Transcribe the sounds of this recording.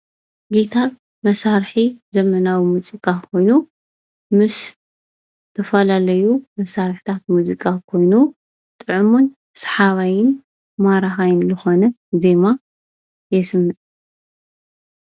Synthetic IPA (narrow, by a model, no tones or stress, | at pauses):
ɡit̪ʰaɾ | mɐsaɾħizɐmɐnawimɨt͡sʼɨkʼakʰo̞jnu | mɨs | t̪ʰɐfɐlalɐjumɐsaɾħt̪ʰat̪̚muzikʼakʰo̞jnu | t̪ʼɨʕɨmun | sħaβajɪn | maɾaxajɪnzɨxo̞nɐ | ze̞ma | jɛsɨmːɨt̪ʼ